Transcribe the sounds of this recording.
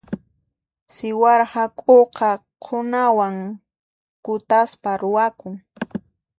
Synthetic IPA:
sɪwɑɾhɑkʼoqɑ | qʰʊnawaŋ | kʊt̪aspaɾʊwakʊŋ

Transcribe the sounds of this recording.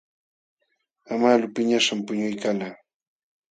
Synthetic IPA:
amalʊpɪɲaʂampʊɲʊjkalaː

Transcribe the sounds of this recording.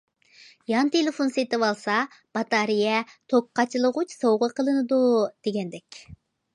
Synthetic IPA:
jɑnt̪ʰelɪfonset̪ɨwɑlˠsɑ | b̥ɑt̪ɑɾijɛt̪ʰok̚qʰːɑt͡ʃʰilˠəʁʊt͡ʃsowʁəqʰəlˠɨnɨd̪ud̪̥eɡʲɛnd̪ɛkʲ

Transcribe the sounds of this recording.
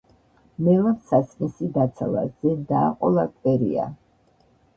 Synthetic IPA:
mɛlasasmisid̪at̪sʰala̰zɛd̪aːqʼɔlˠakʼwɛɾḭa̰

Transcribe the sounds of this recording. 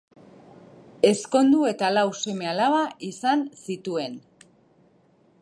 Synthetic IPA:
e̞sko̞nd̪ue̞t̪alawse̞me̞alaβaʔisansit̪ue̞n

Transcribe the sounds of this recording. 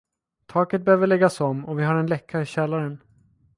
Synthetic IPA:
t̪ʰɑːkət̪̚bɛhøːvəɭɛɡːasɔmːɔvɪɦaɾɛnlɛkʰːaɾɪɕɛlːaɾən

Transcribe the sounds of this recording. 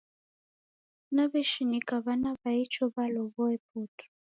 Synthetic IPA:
naβɛʃinikaβanaβait͡ʃɔβalɔβɔɛputɔ̥

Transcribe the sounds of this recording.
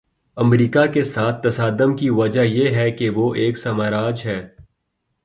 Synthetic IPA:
ɐmɾiːkakesaːt̪̚ʰːɐsaːd̪əmkiʋɐd͡ʒajeɦɛkeʋoʔeːksɐmaːɾaːd͡ʒɦɛː

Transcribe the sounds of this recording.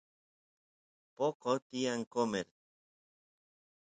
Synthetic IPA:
pokot̪iaŋkomeɾ

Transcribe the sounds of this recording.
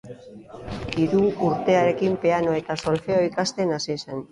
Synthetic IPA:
iɾuuɾt̪e̞aɾe̞kimpe̞ano̞e̞t̪aso̞lfe̞oikast̪e̞nasiesen

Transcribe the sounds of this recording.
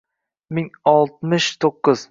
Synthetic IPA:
mɪŋɒlˠt̪̚mɪʃt̪ʰoqːɨz̥

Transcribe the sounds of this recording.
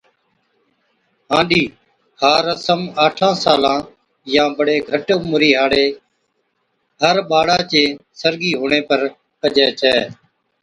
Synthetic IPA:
ɦãːɳɖiː | haːɾəsəmaːʈʰãːsaːlãː | jãːbəɽeːɡʱəʈʊmɾiːɦaːɽeː | ɦəɾɓaːɽaːt͡ʃeːsəɾɡiːɦoːɳ̃eːpəɾ | kəd͡ʒɛːt͡ʃʰɛː

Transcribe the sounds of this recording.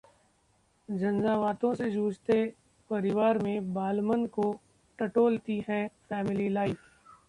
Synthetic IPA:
d͡ʒɐnzaːʋaːt̪õsed͡ʒuːd͡ʒt̪e | pɐɾɪʋaːɾmẽbaːlmənko | ʈɐʈoːlt̪iɦɛ̃fɛːmɪlilaːɪf

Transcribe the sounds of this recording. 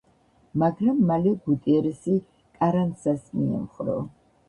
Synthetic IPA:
maɡɾamːalɛɡut̪ʼiɛɾɛsi | kʼaɾant̪sasmiɛ̰mχɾɔ̰

